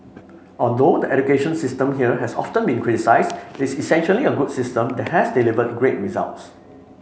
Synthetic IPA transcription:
ʔɔldodəʔɛd͡ʒukeʃə̃nsɪstə̃mɦiəɦɛsɔftə̃nbĩnkʰɹitisaɪsdɪtisisɛ̃nʃəliəɡudsɪstə̃mdɛt̚hɛsdilivət̚ɡɹet̚ɹiza̰lts

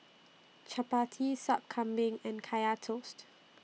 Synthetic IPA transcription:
t͡ʃapatʰisap̚kʰãmbɪ̃ŋɛ̃nkʰajatʰost

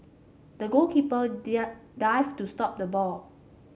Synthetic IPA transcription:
dəɡolkʰipə | daɪvtustɔp̚dəbɔl

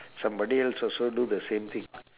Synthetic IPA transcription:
sɐ̃mbɐɖiaɪlsɔsoɖud̪əsẽːmt̪ʰɪ̃ŋ

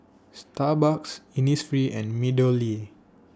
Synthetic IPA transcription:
stabaksinisfɹiʔɛ̃nmidəli

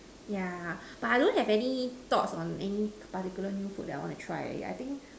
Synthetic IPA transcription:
ja | b̥atajdõnhɛvɛnit̪ɔtsɔ̃nɛnipatikjulənjufut̚dɛta̰jwɔ̃ntutʰɹa̰ja̰jt̪ĩŋk

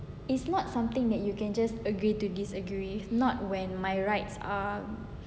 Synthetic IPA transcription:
isnɔt̚sãmt̪ɪ̃ŋdɛt̚jukɛ̃nd͡ʒastəɡɹitudisəɡɹinɔt̚wɛ̃nmajɹaɪtsa̰

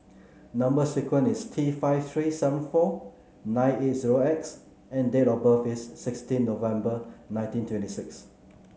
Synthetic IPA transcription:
nãmbəsikwə̃nistʰifaɪft̪ʰɹisɛvə̃nfɔ | nãɪ̃net̚ziɹoɛks | ɛ̃ndetɔbəfisːɪkstĩnːovɛ̃mbənãɪ̃ntĩntʰwɛ̃ntisɪks

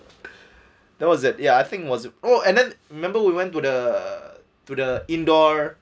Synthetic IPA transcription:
dɛt̚wɔs̬ɪt̚jaajθɪ̃ŋkwɔsnoɛ̃ndɛ̃nɹimɛ̃mbəwiwɛ̃ntːudə | tudəĩndɔɹ

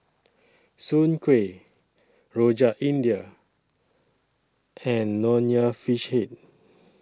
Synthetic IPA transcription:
sũnkʰwe | ɹod͡ʒaʔĩndiə | ɛ̃nːɔniəfiʃhet̚

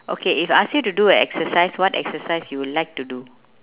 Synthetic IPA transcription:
ʔo̰kʰeifasjutuduəɛ̰ksəsaɪswɔtɛ̰ksəsaɪsjuwudlaɪk̚tudu

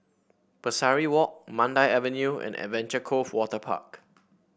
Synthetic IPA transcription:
pəsaɹiwɔk̚mãndaɪɛvɛ̃njuɛ̰̃nɛ̰dvɛ̃nt͡ʃəkʰofwɔtəpʰa̰k

